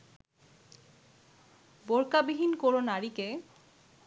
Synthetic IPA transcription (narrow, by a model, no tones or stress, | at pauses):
boɾkabiɦinkoɾonaɾike